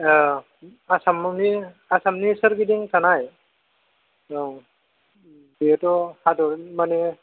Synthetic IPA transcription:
asamni | asamnisaɾkidiŋtanaj | biɛtɔhadɔmanɛ

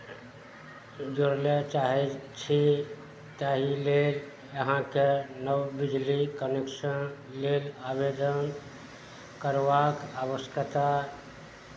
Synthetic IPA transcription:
d͡ʒoɾlet͡ʃaɦɛt͡ʃʰi | t̪aɦilel | jəɦãkenəwbid͡ʒlikəneksən | lelabed̪ən | kəɾʋakabəst̪ət̪a

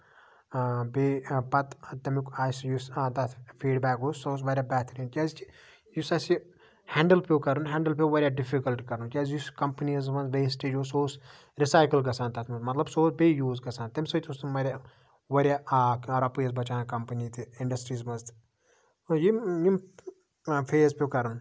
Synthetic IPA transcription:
beːpɐt̪t̪ɐmikaːsjist̪ɐt̪ʰfiːɖbɛːkoːsoːs̬ʋɐɾʲjaːbɛːt̪ʰɾint͡ʃʲaːzt͡ʃi | jusɐsi | hɛːɳɖəlpʰʲoːkɐɾunɦɛːɳɖəlpioːʋɐɾʲjaːɖifikɐlʈkɐɾnukʲaːzjuskɐmpənizmɐnzʋeːsʈeːd͡ʒoːsoːs | ɾisaːjkəlɡɐsãːnt̪ɐt̪ʰmɐnzmɐt̪lɐbsoːsbejuːzɡɐsaːnt̪ɐmʲsɐt̪ust̪umɐɾʲa | ʋɐɾʲjaːkɐɾapijɐzbɐt͡ʃaːkɐmpɐnit̪ʰiiɳɖɐsʈɾiːzmɐzt̪ | jijim | pʰeːzpʲokɐɾun

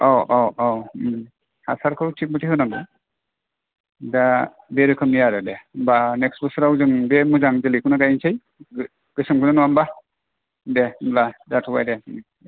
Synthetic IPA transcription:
ɔwʔɔɔw | hasaɾkʰɯwtʰik̚mɯtʰihɯnaɡɯ | da | beɾɯkʰɯmijaɾɯdɛbanɛksbɯsɾawzɯŋbemuzaŋzɯlikʰunaɡajinsʰɯj | ɡ̥ɯsɯmkʰɯnanuwamba | demladatʰɔbajde

